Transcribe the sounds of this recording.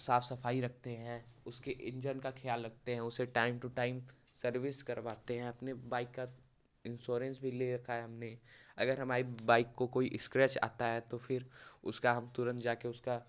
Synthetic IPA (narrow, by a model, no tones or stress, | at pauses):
saːfʰsɐfaːiɾɐk̚ʰt̪eɦɛ̃ʊskeʔɪ̃ɲd͡ʒəɾnkaxʰɪjaːlːɐk̚t̪eɦɛ̃ʊseʈaːɪmʈuʈaːɪm | sɐɾʋɪskɐɾʋaːt̪eɦɛ̃ɐpnebaːɪkːa | ɪ̃nʃoːɾə̃nsbʱileɾɐkʰaɦɛɦɐmneɐɡəɾɦɐmaːɾibaːɪkːokoːiʔɪskɾɛt͡ʃa̰ːt̪aɦɛt̪ofʰɪɾʊskaɦɐmt̪ʊɾə̃nt̪d͡ʒaːkeʊska